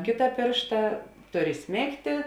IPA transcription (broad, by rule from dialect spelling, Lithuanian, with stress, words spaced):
ˈkʲeːtɐ ˈpʲeːrʃtɐ ˈtʊr ɪˈsʲmʲeːktʲeː